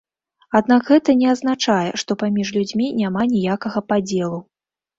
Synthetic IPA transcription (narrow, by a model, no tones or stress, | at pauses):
ad̪̚nakɣɛt̪ɐnʲɛɐznat͡ʂajɛ̰ʂt̪ɔpamʲiʂlʲud͡zʲmʲinʲamanʲijakɐɣɐpad͡zʲɛlˠu